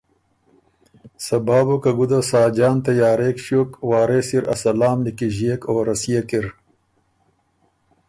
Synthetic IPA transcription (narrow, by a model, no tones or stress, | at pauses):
sɐbaːbukɐɡud̪asaːd͡ʒaːnt̪ɐjaːɾeːkɕjoːkwaːɾeːsiɾɐ̰sɐlaːmlikiʑeːkoːɾɐsijekiɾ